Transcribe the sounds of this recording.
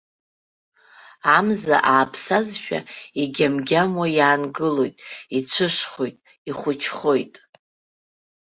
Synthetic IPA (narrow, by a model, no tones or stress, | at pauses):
amza̰ʔaːpʰsazʃᶣa̰iɡʲamɡʲamwajaːnɡɨlo̞jtʼit͡ɕʷʰɨʂχojtʼ | iχʷʊt͡ʃʰχo̞jtʼ